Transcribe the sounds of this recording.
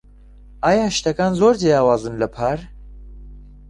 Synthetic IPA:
aːjaːʃt̪ɛkaːnzoːɾd͡ʒejɑːwɑːzɨnləpʰaɾ

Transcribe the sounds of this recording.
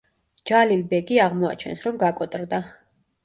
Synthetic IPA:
d͡ʒalilbɛɡiaʁmɔa̰t͡ʃʰɛ̰nsɾɔmɡakʼɔt̪ʼɾd̪a

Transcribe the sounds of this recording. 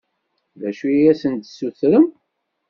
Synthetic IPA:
ðæʃuæsənt̪suθɾəm

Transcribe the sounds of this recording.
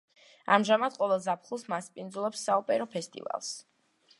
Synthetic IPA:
a̰mʒamad̪̥qʼɔvɛlˠzapʰχulˠsmaspʼind̪zulˠɔpsːaɔpʼɛɾɔpʰɛst̪ʼḭva̰lˠs

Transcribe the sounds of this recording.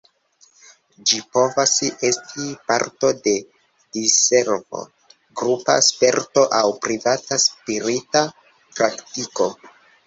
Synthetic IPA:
d͡ʒipo̞vasiʔe̞stʰipaɾto̞de̞ | d̥ise̞ɾvo̞̰ | ɡɾupa̰spe̞ɾto̞ʔawpɾivataspiɾita | pɾaktiko̞

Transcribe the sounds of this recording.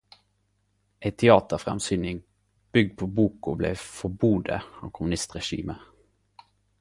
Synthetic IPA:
ʔæɪt̪ʰɛɑːt̪əʁfʁɛ̰msyːnɪŋ | b̥ʏɡ̚d̪̚pʰoːbuːkʊblḛːfɔbuːd̪ə̰ɑːʋkʰʊmʉnɪst̪ʁɛʃḭːmə

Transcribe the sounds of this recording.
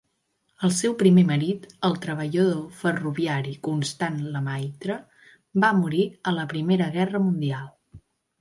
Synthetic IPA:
əlˠsɛwpɾimeməɾit̪əlˠt̪ɾəβ̞əʎəðofəruβiaɾikunst̪anləmajt̪ɾə | bamuɾiələpɾimeɾəɣɛrəmund̪ialˠ

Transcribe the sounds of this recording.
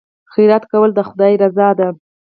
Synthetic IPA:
xiɾat̪kawəld̪əxʊd̪ɑjɾazɑd̪a

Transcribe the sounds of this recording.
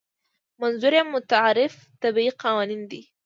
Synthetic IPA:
manzuɾamːʊt̪aʕaɾɪf | t̪abiiqɑwɑnind̪i

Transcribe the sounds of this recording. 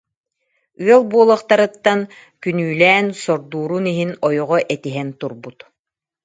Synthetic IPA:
yœlˠbuɔlˠɔχt̪aɾɯt̪ːan | kynyːlɛːnsɔɾd̪uːɾuniɦinɔjɔʁɔʔɛt̪iɦɛnt̪uɾbut̪

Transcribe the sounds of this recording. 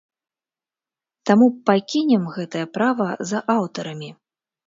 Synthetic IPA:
t̪amupakʲinʲɛmɣɛt̪ɐjɐpɾavɐzɐʔawt̪ɐɾɐmʲi

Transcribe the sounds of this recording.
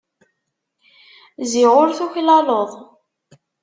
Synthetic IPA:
ziʁʊɾθuçlɑloðˤ

